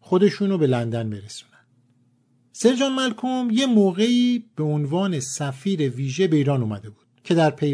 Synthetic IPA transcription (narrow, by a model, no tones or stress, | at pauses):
xo̞d̪e̞ʃuːnobe̞lænd̪ænbe̞ɾesu̥ːnænd̪ | se̞ɾd͡ʒɒːnmælkʰumje̞moːɣe̞iːb̥e̞onvɒːne̞sæfiːɾe̞viːʒe̞beiːɾɒːnuːmæd̪e̞buːd̪̥cʰe̞d̪æɾpʰe